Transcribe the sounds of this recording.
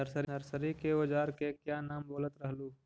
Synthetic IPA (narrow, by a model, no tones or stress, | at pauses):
əɾsəɾnəɾsəɾikeod͡ʒaːɾkekjaːnaːmboːlət̪ɾɐɦluː